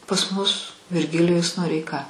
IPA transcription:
pɐs mʊs ʋʲɪrʲˈɡʲɪlʲɪjʊs noːrʲɛɪˈkɐ

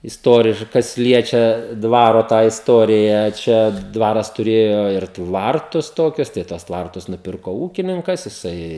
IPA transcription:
ɪsˈtoːrʲɪʃ ˈkɐs ˈlʲiɛt͡ʃʲɛ ˈdʋɑːroː tɑː ɪsˈtoːrʲɪjæː ˈt͡ʃʲɛ ˈdʋɑːrɐs tʊˈrʲeːjoː ɪr ˈtʋɐrtʊs ˈtoːkʲʊs tɐɪ ˈtuɔs ˈtʋɐrtʊs nʊˈpʲɪrkoː ˈuːkʲɪnʲɪŋkɐs jɪˈsɐɪ

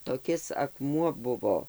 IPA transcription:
toːˈkʲɪs ɐkˈmuɔ ˈbʊʋoː

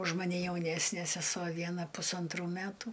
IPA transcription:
ʊʃ mɐˈnʲɛ jɛʊˈnʲæːsʲnʲeː sʲɛˈsuɔ ˈʋʲiɛnɐ pʊsɐnˈtruː ˈmʲætʊ

